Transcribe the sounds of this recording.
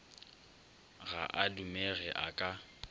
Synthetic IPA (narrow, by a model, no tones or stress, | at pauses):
ɣa̰ʔadumɛɣɛʔakʼa